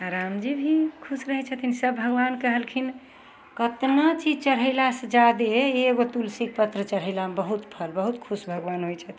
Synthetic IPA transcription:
aɾamd͡ʒibʱikʰusɾəɦɛt͡ʃʰət̪ʰinsəbbʱəɡʋankəɦəlkʰin | kət̪nat͡ʃid͡ʒt͡ʃəɽɦəɪlasəd͡ʒad̪eːɡot̪ulsik̚pət̪ɾət͡ʃəɽ̤ɦəlabəɦut̪pʰəlbəɦut̪kʰusbʱəɡʋanɦojt͡ʃʰət̪ʰ

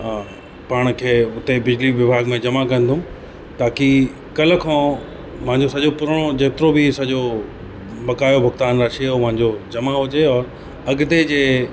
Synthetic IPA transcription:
paːɽ̃kʰeːʊt̪ebɪd͡ʑliʋjɪbʱaːɡmẽd͡ʑɐmakɐ̃nd̪ʊ̃m | t̪aːki | kɐl̆kʰãː | mɐ̃ɦɪ̃ɲd͡ʑosɐʄopʊɾəɽ̃od͡ʑɐɦt̪ɪɾobisɐʄo | bɐkaːjobʱɐɡt̪aːnɾaːʃiomɐ̃ɦɪ̃ɲd͡ʑod͡ʑɐmaɦʊd͡ʑeɔːɾ | ɐɡt̪ed͡ʑeː

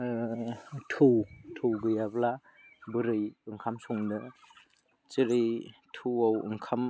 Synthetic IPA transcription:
tʰɯwtʰɯwɡɯjabla | bɯɾɯjɯŋkʰamsɔŋdɯ | t͡ʃiɾitʰuwawɯ̰ŋkʰam

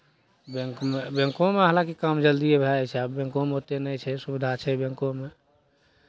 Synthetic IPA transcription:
beŋkmebẽŋkõmeɦalãkikamd͡ʒəld̪iebʱɛt͡ʃʰɛabbẽŋkõmeɦot̪enɛt͡ʃʰɛsubid̪ʱat͡ʃʰɛbẽŋkome

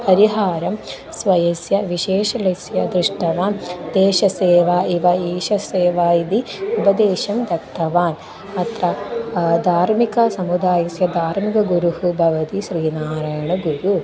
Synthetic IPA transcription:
ɐɾiɦaːɾɐm | sʋɐjɐsjɐʋiʃeːʃɐlɐsjɐd̪ɾiʂʈɐʋaːnd̪eːʃɐseːʋaːiʋɐiːʃɐseːʋaːjid̪iubɐd̪eːʃɐmd̪ɐk̚t̪ʰːɐʋaːn | ɐt̪ɾɐd̪ʱaːɾmikɐsɐmud̪aːjɐsjɐd̪ʱaːɾmikɐɡuɾuhubʱɐʋɐt̪iʃɾiːnaːɾɐjɐɳɐɡuɾu

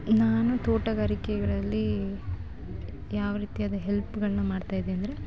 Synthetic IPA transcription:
naːnut̪oːʈɐɡaːɾikɛɡɐɭɐlːi | jaːʋɐɾiːt̪ijaːd̪ɐɦelpuɡɐɭɐnɐmaːɖt̪aːjd̪eɐnd̪ɐɾe

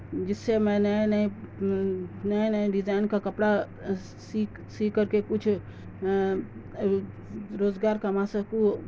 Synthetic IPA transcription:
d͡ʒisemẽnəjnəi | nəjnaiɖid͡ʒaɪnkakəpɽa | sik | sikəɾkekut͡ʃʰ | ɾod͡ʒɡaɾkamãsə̃ku

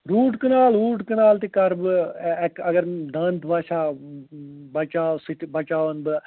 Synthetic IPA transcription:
ɾuːʈkənaːlɾuːʈkənaːlt̪ekəɾbkəɡəɾd̪ənt̪baːʃʰaː | bət͡ʃaːsɪʈʰbət͡ʃaːənbə

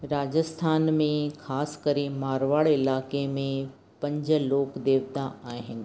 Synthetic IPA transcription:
ɾaːd͡ʑəst̪ʰaːnmẽkʰaːskɐɾemaːɾʋaːɭɪlaːkemẽ | pɐ̃ɲd͡ʑəloːkd̪eːʋt̪aaːɦɪnɪ̆

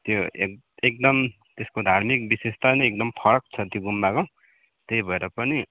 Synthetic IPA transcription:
t̪joḛ | ek̚d̪ʌm | t̪eskod̪ʱarmik̚bisest̪ʰanʌek̚d̪ʌmpʰʌɾʌk̚t͡sʰʌt̪joɡumːako | t̪eibʱʌeɾʌpʌni

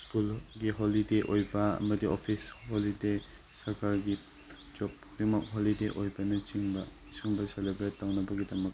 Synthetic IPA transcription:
skulɡiɦolideʔojbɐ̰mɐdiopʰisholide | sɐɾkaɾɡi | d͡ʒɔp̚ | bimak̚ɦolideʔojbɐnɐt͡ʃiŋbɐisuŋbɐselebɾettːawnɐbɐɡidɐmɐk

